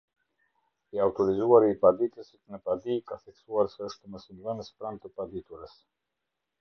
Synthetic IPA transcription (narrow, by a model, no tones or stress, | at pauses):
iawt̪ɔɾizuaɾiːpad̪it̪əsit̪nəpad̪ikaθɛksuaɾsɛəʃt̪əməsinvənəspɾant̪əpad̪it̪uɾəs